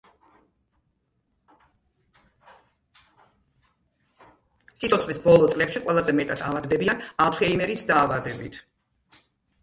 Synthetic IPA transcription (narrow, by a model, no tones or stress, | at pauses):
sit̪ʼɔt̪ʰχvisbɔlˠɔt̪sʼlɛpʃiqʼwɛlˠazɛmɛt̪ʼad̪ʰavad̪dɛbianalˠfʰɛimɛɾisd̪aːvad̪ɛbit̪ʰ